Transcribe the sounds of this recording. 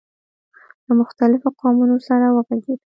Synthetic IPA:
lamʊxt̪alɪfoqɑmunosaɾawəɣaɡed̪

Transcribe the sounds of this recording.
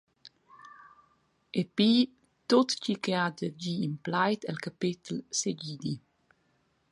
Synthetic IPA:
epi | t̪ot̪cikead̪əd͡ʒiːmplajt̪ɛlkapit̪lseɟid̪i

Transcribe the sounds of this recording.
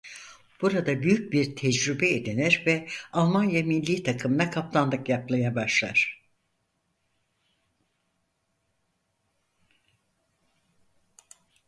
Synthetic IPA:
b̥uɾad̪abyjyc̚biɾt̪ʰɛd͡ʒɾybɛed̪inɛɾvɛalˠmanjaminlʲiːt̪ʰakʰɯmɯnakʰap̚t̪ʰand̪ɯkjaplˠajabaʃlˠa̰ɾ̥

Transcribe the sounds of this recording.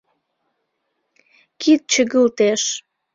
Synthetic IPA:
kʰit̪̚t͡ɕəɣəlt̪eʃ

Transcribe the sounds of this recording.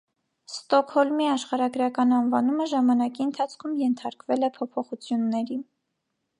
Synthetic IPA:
st̪ɔkʰhɔlmiɑʃχɑɾɑɡɾɑkɑnɑnvɑnuməʒɑmɑnɑkiənt̪ʰɑt͡sʰkʰumjɛnt̪ʰɑɾkvɛlɛpʰɔpʰɔχut͡sʰjunːɛɾi

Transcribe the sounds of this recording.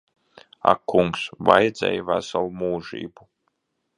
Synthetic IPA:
a̰kːuŋksvajd̪zɛ̰jvæsalˠmuːʒḭːbu

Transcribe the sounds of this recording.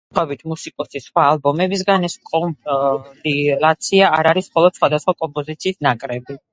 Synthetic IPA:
χɛbit̪ʰmusikʼɔsisχwaːlˠbɔmɛbis̬ɡanɛskʼɔmd̪ilat̪sʰiaːɾaɾismχɔlˠɔd̪̥sχwad̪asχwakʼɔmpʼɔzit̪sʰiːsnakʼɾɛbi

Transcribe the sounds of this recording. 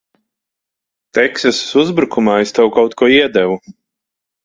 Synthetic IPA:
t̪ɛksʲɛssuzbɾukumaːest̪ɛwkawt̪kuɔiɛd̪ɛvu

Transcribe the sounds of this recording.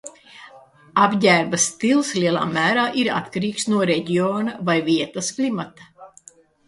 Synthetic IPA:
abɟʲæːɾbɐst̪ilˠsliɛlˠa̰ːmæːɾaːʔiɾa̰t̪kaɾiːksnuɔɾɛɟioːnavajviɛt̪ɐsklimat̪a

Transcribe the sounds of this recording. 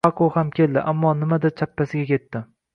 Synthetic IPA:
akʰohamkʲʰe̞ld̪ɪ̰ʔamːɒnɪmad̪at͡ʃʰapːasɪɡʲakʲe̞t̪ːɪ

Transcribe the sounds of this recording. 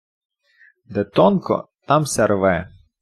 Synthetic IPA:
d̪ɛt̪ɔnkɔ̰t̪ɑmsʲɐɾʋɛ

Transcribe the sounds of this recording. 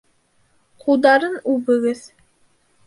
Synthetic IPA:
qʰulˠd̪ɑɾɤnʉbɘ̆ɡɘð

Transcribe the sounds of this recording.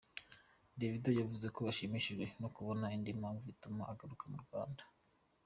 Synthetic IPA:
dividojavuze̞ko̞βaʃimiʃiʒwe̞nokuβo̞naindimaːɱvuitumaːɡaɾukamuɾɡwaːndḁ

